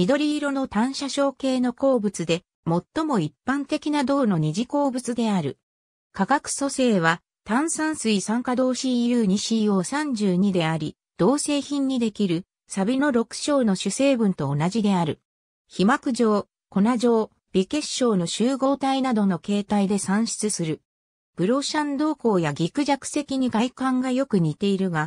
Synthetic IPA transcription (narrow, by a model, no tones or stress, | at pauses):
mʲid̪o̞ɾʲiːɾo̞no̞t̪ãɰ̃ɕaɕo̞ːke̞ːno̞ko̞ːbɯ̟t͡sɨd̪e̞ | mo̞t̪ːo̞mo̞ipːãnt̪e̞kʲinad̪o̞ːno̞ɲ̟iʑiko̞ːbɯ̟t͡sɨd̪e̞aɾɯ̟ | kaɡakɯ̟̥so̞se̞ːβ̞a | t̪ãɰ̃sãɰ̃sɨisãŋkad̪o̞ːɕiːjɯːɲ̟iɕiːo̞ːsãɲ̟d͡ʑɨːɲ̟id̪e̞aɾʲi | d̪̥o̞ːse̞ːçĩɲ̟ːid̪e̞kʲiɾɯ̟ | sabʲino̞ɾo̞kɯ̟̥ɕo̞ːno̞ɕɨse̞ːbɯ̟̃nt̪o̞ːnaʑid̪e̞aɾɯ̟ | çimakɯ̟ʑo̞ː | ko̞naʑo̞ː | b̥ʲike̞ɕːo̞ːno̞ɕɨːɡo̞ːt̪ainad̪o̞no̞ke̞ːt̪aid̪e̞sãɰ̃ɕi̥t͡sɨsɨɾɯ̟ | b̥ɯ̟ɾo̞ɕãnd̪o̞ːko̞ːjaɡʲikɯ̟ʑakɯ̟̥se̞kʲiɲ̟ikaikãŋɡajo̞kɯ̟ɲ̟it̪e̞iɾɯ̟ɡa